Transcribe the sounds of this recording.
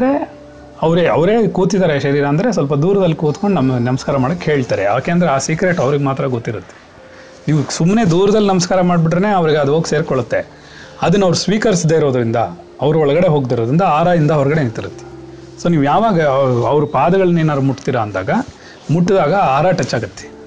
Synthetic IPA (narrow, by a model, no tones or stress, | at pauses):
d̪ɐɾe | ɐʋɾeɐʋɾe̞ːkuːt̪id̪aːɾeʃɐɾiːɾɐːnd̪ɐɾe̞s̬ɐlp̬ɐd̪uːɾɐd̪ɐlːikuːt̪koɳɖnɐmːɐnɐmɐskaːɾɐmaːɽokːhe̞ːɭt̪aːɾḛaːke̞ɐnd̪ɾeaːsikɾe̞ʈɐʋɾiɡemaːt̪ɾɐɡot̪ːiɾut̪ːe̥ | niːʋusumːne̞ːd̪uːɾɐd̪ɐlinɐmɐskaːɾɐmaːɖbiʈɾɐne̞ːɐʋɐɾiɡeɐd̪oːɡse̞ːɾkɔɭut̪ːe̞ | ɐd̪ɐnːɐʋɾusʋiːkɐɾis̬id̪ːeːiɾoːd̪ɾind̪ɐ | ɐʋɐɾuɔɭɐɡɐɽe̞ɦo̞ːɡd̪ɐɾod̪ɾind̪ɐaːɾaːind̪ɐɐʋɐɾɐɡɐɽe̞nit̪ːiɾut̪ːe̥ | so̞ːniːʋujaːʋaːɡɐɐʋɾupaːd̪ɐɡɐɭɐnːeːnaːɾumuʈːt̪iːɾɐːnd̪a̰ːɡɐ | muʈːd̪aːɡɐaːɾaːʈɐt͡ʃːaːɡut̪ːe̥